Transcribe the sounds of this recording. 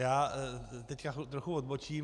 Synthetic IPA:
jaːt̪ɛckaxut̪ɾoxuvod̪bo̞t͡ʃiː

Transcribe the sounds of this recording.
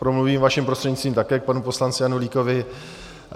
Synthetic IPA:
pɾomluviːmvaʃɪmpɾost̪r̥ɛɟɲist̪viːmt̪akɛːk̚panupo̞slant͡sɪjanuliːkovɪ

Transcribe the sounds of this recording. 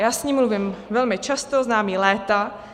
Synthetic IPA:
jaːsɲiːmːluvɪmvɛlmɪt͡ʃast̪o̞znaːmiːlɛːt̪a

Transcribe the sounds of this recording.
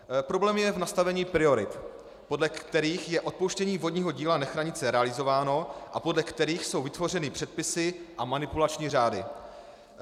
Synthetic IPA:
pɾo̞blɛːmjɛvnast̪avɛɲiːpɾɪo̞ɾɪt̪ | po̞dlɛkt̪ɛɾiːxjɛʔo̞t̪̚powʃcɛɲiːvo̞dɲiːɦo̞ɟiːlanaxɾaɲɪt͡sɛɾɛalɪzo̞vaːno̞ʔapo̞dlɛkt̪ɛɾiːxso̞wvɪt̪vo̞r̝ɛnɪpr̥ɛt̪̚pɪsɪʔamanɪpulat͡ʃɲiːraːdɪ

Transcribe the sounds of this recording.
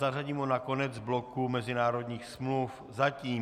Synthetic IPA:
araɟiːmonako̞nɛd͡zblokumɛzɪnaːɾo̞dɲiːxsmluf | zaciː

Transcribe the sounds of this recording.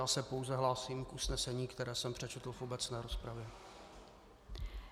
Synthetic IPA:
aːsɛpo̞wzɛɦlaːsiːmkʔusnɛsɛɲiːkt̪ɛɾɛːsɛmpr̝̥ɛt͡ʃɛt̪l̩fubɛt͡snɛːɾo̞spɾavjɛ

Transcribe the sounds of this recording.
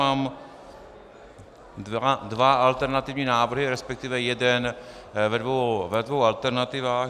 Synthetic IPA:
aːm | advaʔalt̪ɛɾnat̪ɪvɲiːnaːvr̩ɦɪɾɛspɛk̚t̪ɪvɛjɛdɛn | vɛdvowvɛdvowalt̪ɛɾnat̪ɪvaːx

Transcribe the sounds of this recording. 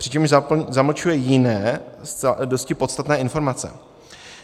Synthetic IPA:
pr̥ɪt͡ʃɛmʒzazaml̩t͡ʃujɛjɪnɛːsdoscɪpo̞t̪st̪at̪nɛːɪnfo̞ɾmat͡sɛ̰

